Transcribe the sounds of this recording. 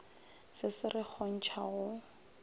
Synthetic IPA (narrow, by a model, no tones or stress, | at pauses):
sɪsɪrɪk͡xʰɔn̩t͡ʃʰaɣʊ